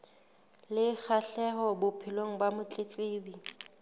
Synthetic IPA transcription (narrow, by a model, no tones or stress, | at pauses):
lɪk͡xʰaɬɛɦɔbʊpʰilwoŋ̩bamʊt͡ɬʼet͡sʼeːbi